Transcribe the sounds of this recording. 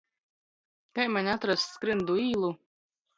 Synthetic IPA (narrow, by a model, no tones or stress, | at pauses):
kajmanʲat̪ɾasskɾɨnd̪uiːlˠu